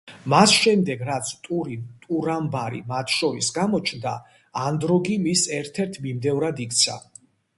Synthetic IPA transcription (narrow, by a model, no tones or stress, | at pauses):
masʃɛmd̪ɛɡɾat̪sʰt̪ʼuɾit̪ʼuɾambaɾḭmat̪ʰʃɔɾisɡamɔt͡ʃʰnd̪a̰ː | nd̪ɾɔɡimisɛɾt̪ʰɛɾt̪ʰmimd̪ɛvɾad̪ik̚ʰt̪sʰa̰